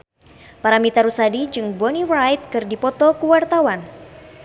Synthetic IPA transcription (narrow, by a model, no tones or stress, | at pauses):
paɾamit̪aɾusadid͡ʒɨŋbɔnirajt̪̚kɨrdipɔt̪ɔkuwart̪awan